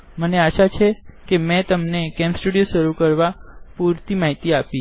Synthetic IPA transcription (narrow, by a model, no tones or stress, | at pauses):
məneaʃat͡ʃʰekemɛ̃t̪əmnekɛmsʈuɽijoʃəɾukəɾʋapuɾt̪imaɦit̪iapi